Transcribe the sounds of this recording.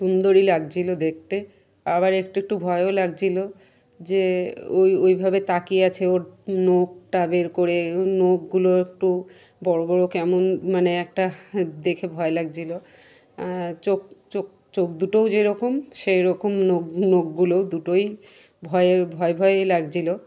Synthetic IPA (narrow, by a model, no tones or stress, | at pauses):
ʃund̪oɾilaɡ̚t͡ɕʰilod̪ek̚t̪e | aβaɾek̚ʈuek̚ʈubʱɔeolaɡt͡ɕʰilo | d͡ʑeojojbʱabet̪akiat͡ɕʰeoɾnoɡ̚ʈabeɾkoɾenoɡːuloek̚ʈu | bɔɾobɔɾokɛmonmaneɛk̚ʈad̪ekʰebʱɔelaɡ̚d͡ʑilo | t͡ɕok̚t͡ʃok̚ | t͡ɕok̚d̪uʈowd͡ʑeɾɔkomʃeɾɔkomnoɡnoɡɡulowd̪uʈoj | bʱɔeebʱɔebʱɔeelaɡd͡ʑʰilo